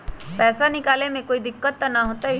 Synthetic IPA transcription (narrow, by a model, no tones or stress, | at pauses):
pɛːsanɪkaːlemẽkoːid̪ɪkːət̪ːanaɦoːt̪aɦi